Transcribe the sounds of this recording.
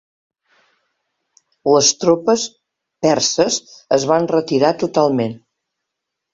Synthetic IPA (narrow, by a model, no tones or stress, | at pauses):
ləst̪ɾopəs | pɛrsəzəzβanrət̪iɾat̪ut̪alˠmen